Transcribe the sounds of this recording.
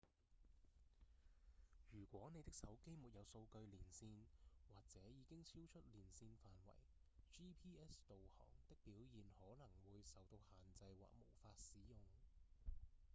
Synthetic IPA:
jyː˨˩kʷwɔː˨˥ne˨˧jt̪ɪ˥k̚sɐ˨˥wke˥jmuː˨t̚jɐ˨˧wso˧wkɵ˧ɥliː˨˩nsiː˧nwaː˨k̚t͡sɛː˨˥jiː˨˧kɪ˥ŋt͡sʰi˥wt͡ʃʰɵ˥t̚liː˨˩nsiː˧nfaː˨nwɐ̰˨˩j | t͡ʃiː˥pʰiː˥ɛː˥st̪o˨whɔ̰ː˨˩ŋt̪ɪ˥k̚piː˨˥wjiː˨nhɔː˨˥nɐ˨˩ŋwuː˨˧jsɐ˨˩wt̪o˧whaː˨˩nt͡sɐ˧jwa̰ː˨k̚mo˨˩wfaː˧t̚siː˨˥jʊ˨ŋ

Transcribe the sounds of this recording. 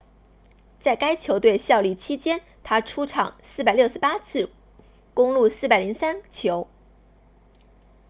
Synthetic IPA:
t͡sa˥˩ɪka˥ɪt͡ɕʰjo˧˥ʊt̪we˥˧ɪɕjɑ˥˧ʊli˥˩t͡ɕʰi˥t͡ɕjɛ˥n | t̪ʰa˥ʈ͡ʂʰu˥ʈ͡ʂʰɑ̰˨˩˦ŋsɹ̩˥˩pa˨˩ɪljo˥˧ʊʂɻ̩˥˩pa˥t͡sʰɹ̩˥˩ | kʊ˥ŋlu˥˧˩sɹ̩˥˩pa˨˩ɪli˧˥ŋsa˥nt͡ɕʰjo˧˥ʊ

